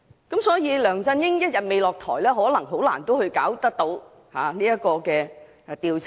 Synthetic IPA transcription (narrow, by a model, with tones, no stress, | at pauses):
kɐ˨˥msɔː˨˥jiː˨˧lœː˨˩ŋt͡sɐ˧njɪ˥ŋjɐ˥t̚jɐ˨t̚me˨˧jlɔː˨k̚t̪ʰɔː˨˩jlɛː˥ɦɔː˨˥lɐ˨˩ŋɦo˨˥wla̰ː˨˩nt̪o˥whɵ˧ɥka̰ː˨˥wt̪ɐ˥k̚t̪o˨˥w | haː˨niː˥jɐ˥kɔː˧kɛː˧ | t̪iː˨˧wt͡sʰ